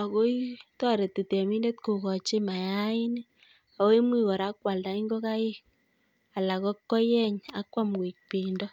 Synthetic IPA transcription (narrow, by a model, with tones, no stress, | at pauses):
a˨ko˦i˦tɔ˦ɾe˨tːi˨te˨mi˦nde˦t̚ku˨kɔ˨t͡ʃe˦ma˨ja˦ɪ˦ne˦ | a˨we˦mwi˦˨kɔ˨ɾa˦kwa˨lda˨i˦ŋɡo˦ka˦je˦ | a˨la˨kɔ˦kːɔ˦jɛ˦ɲa˨˦kwa˦mki˨k̚pi˨ndɔ˦